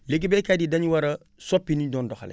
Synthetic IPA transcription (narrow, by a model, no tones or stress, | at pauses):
leɡibɛkadidɐɲwɐɾɐ | sɔpːinidɔːndɔxɐ̰lḛ